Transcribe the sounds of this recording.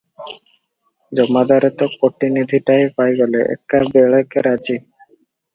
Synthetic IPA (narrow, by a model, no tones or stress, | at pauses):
d͡ʑɔmad̪aɾet̪okoʈinid̪ʱiʈajpajɡɔleʔɛ̰k̚ʈabeɭakeɾad͡ʑi